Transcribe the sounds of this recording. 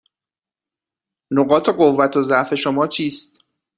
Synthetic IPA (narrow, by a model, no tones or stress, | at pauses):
noɢɒːt̪ʰe̞ɢo̞vːæt̪ʰozæʔfe̞ʃomɒːt͡ʃʰiːst̪